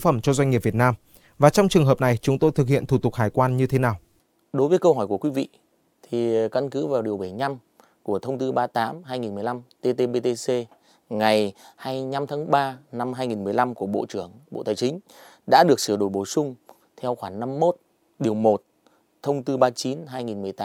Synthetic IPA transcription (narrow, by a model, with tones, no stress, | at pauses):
fə˧˩mt͡ɕɔ˧zwa˧ɲŋŋi˨˩p̚vi˨˩ət̚naː˧m | vaː˨˩t͡ɕɔ˧wŋ͡mt͡ɕɨ˨˩əŋɦəː˨˩p̚na˨˩jt͡ɕʊ˨˦ŋ͡mt̪o˧jt̪ʰɨ˨˩k̚hḭ˧˨ənt̪u˧˩t̪ʊ˨˩k̚haː˨˩jkwaː˧nɲɨ˧t̪ʰe˨˦naː˨˩w | ɗo˨˦jvəː˨˦jkə˧wɦɔ˧˩jku˧˩əkwi˨˧˦vḭ˧˨ | t̪ʰi˨˩ka˧nkɨ˨˦vaː˨˩wɗi˨˩əwɓa˧˩jɲa˧m | ku˧˩ət̪ʰə˧wŋ͡mt̪ɨ˧ɓaː˧t̪aː˨˦mɦaː˧jŋi˨˩nmɨ˨˩jla˧mt̪e˧t̪e˧ɓe˧t̪e˧se˧ | ŋa˨˩jhaː˧jɲa˧mt̪ʰaː˨˦ŋɓaː˧na˧mɦaː˧jŋi˨˩nm˨˩əjla˧mku˧˩əɓo̰˧˨t͡ɕɨ˧˩əŋɓo̰˧˨t̪aː˨˩jt͡ɕï˨˦ŋ̟ | ɗa̰ː˧˥ɗɨ˨˩ək̚sɨ˧˩əɗo˧˩jɓo˧˩sʊ˧ŋ͡m | t̪ʰɛ˧wxwaː˧˩ŋna˧mːo˦˥t̚ | ɗi˨˩əwmo˨˩t̚ | t̪ʰə˧wŋ͡mt̪ɨ˧ɓaː˧t͡ɕi˨˦nɦaː˧jŋi˨˩nmɨ˨˩əjt̪a˨˦